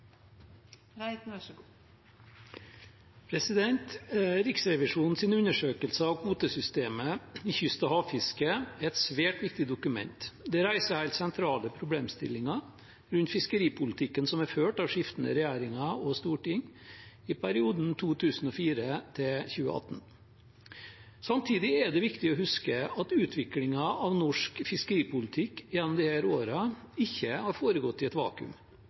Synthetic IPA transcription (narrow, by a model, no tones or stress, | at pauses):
pʰɾɛsɪd̪ɛnt̪ɾɪksɾɛʋɪʂuːnn̩siːnʉnəʂøːkəlsəɑʋkʰuːt̪əsʏst̪eːməɪçʏst̪əhɑːʋfɪskəæɾɛt̪sʋæːʈʋɪk̚t̪ɪd̪ʊkʉmɛ̰nt̪d̪ɛɾæɪsəæɪlsɛnt̪ʰɾɑːləpʰɾʊbleːmst̪ɪ̰lːɪŋɑ | ɾʉnt̪fɪskəɾiːpʰʊlɪt̪ʰɪkːənsɔmæɾføːʈɑʋʂɪft̪ən̩ə̰ɾɛjæːɾɪŋɑɔst̪uːʈɪŋɪpʰæɾɪuːd̪n̩t̪ʰuːt̪ʰʉːsn̩ɔfiːɾət̪ʰɪçʉːə̰ɑ̰t̪ːn̩ | sɑmt̪ʰiːd̪ɪɛɖɛʋɪkt̪ɪɔɦhʉskəɑt̪ʉːt̪ʰʋɪklɪŋɑɑʋnɔʂkfɪskəɾiːpʊlɪt̪ʰɪkːjɛnːɔmd̪ɪhæːɾoːɾɑ | ɪçːəhɑɾfoːɾəɡɔt̪ːɪɛt̪ʋɑ̰ːkʉ̰m